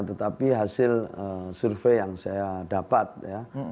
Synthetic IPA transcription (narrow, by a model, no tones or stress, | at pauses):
t̪ət̪apiɦasɪləsurfejjaŋsajadapat̪̚ja